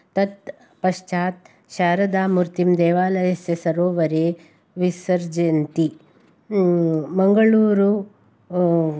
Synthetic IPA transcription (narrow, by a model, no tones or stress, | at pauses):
t̪ɐt̪ | pɐʃt͡ʃaːt̪̚ | ʃaːɾɐd̪aːmuɾt̪imd̪eːʋaːlɐjɐsjɐsɐɾoːʋɐɾeː | ʋisɐɾd͡ʒent̪i | mɐŋɡɐɭuːɾu